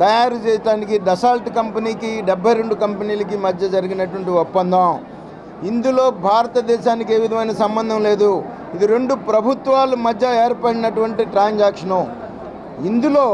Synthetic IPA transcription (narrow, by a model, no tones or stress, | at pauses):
t̪ɐjaːɾut͡ʃɛːsɐʈaːnikiɖɐsaːlʈkɐmpɐniːkiɖɛbʱːɐjɾe̞ɳɖukɐmpɐniːlɐkimɐd̪ʱːɐd͡ʒɐɾiɡinɐʈuʋɐɳʈiɔpːɐnd̪ʱaːm | ind̪ulo̞ːbʱaːɾɐt̪ɐd̪ɛːʃaːnike̞ːʋid̪ʱɐmɐjnɐsɐmbɐnd̪ʱɐmle̞ːd̪u | id̪iɾe̞ɳɖupɾɐbʱut̪ʋaːlumɐd̪ʱːjɐeːɾpɐɽinɐʈuʋɐɳʈiʈɾaːnd͡ʒaːkʂɐnɐ | ind̪ulo̞ː